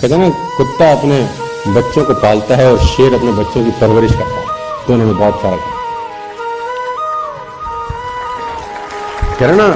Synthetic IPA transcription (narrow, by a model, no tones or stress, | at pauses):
kɐd͡ʒaːna | kʊt̪ːaɐpne | bɐtːʃõkopaːlt̪aɦɛɔːɾʃeːɾɐpnebɐtːʃõkipɐɾʋəɾɪʃkɐɾt̪aɦɛt̪oɪnɦõmẽbɔːt̪saːɾakiː | ɡɐɾna